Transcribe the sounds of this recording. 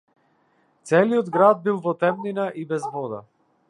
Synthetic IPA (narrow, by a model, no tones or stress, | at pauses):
t̪sɛliɔd̪ɡɾad̪̚bilˠvɔt̪ɛmninaʔibɛzvɔd̪a̰